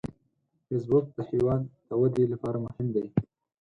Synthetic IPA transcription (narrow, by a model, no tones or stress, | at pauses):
fes̬bʊk̚d̪əhiwɑnd̪əwad̪elapɑɾamʊhɪmd̪ej